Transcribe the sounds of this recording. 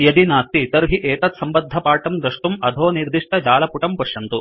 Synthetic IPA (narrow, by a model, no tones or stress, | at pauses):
jɐd̪inaːst̪ːit̪ɐɾɦiʔeːt̪ɐt̪sɐmbɐd̪ʱːɐpaːʈɐmd̪ɾɐʂʈumɐd̪ʱoːniɾd̪iʂʈ̪ɐd͡ʒaːlɐpuʈɐmpɐʂjɐnt̪u